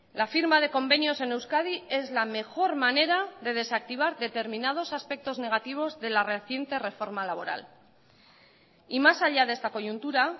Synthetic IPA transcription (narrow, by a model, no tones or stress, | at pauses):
lafiɾmað̞e̞ko̞mbe̞njo̞se̞ne̞wskað̞ie̞zlame̞xo̞ɾmane̞ɾaðe̞ð̞e̞sak̚t̪iβ̞aɾðe̞t̪e̞ɾminað̞o̞saspe̞k̚t̪o̞zne̞ɣat̪iβ̞o̞zðe̞lareθje̞nt̪e̞re̞fo̞ɾmalaβ̞o̞ɾa̰l | imasaʎaðe̞st̪ako̞ʝunt̪uɾa